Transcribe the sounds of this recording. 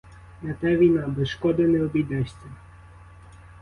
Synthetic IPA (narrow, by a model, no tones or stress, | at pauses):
nɐt̪ɛʋʲijnabɛsʃkɔd̪ɐnɛɔbʲijd̪ɛʃʲt͡sʲɐ